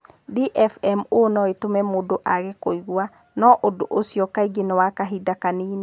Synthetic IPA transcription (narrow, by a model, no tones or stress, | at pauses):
diʔɛfɛmonɔetomɛmodoʔaɣekoiɣwa | nɔʔodoʔosjɔkaiɡenewakaɦidakaniːne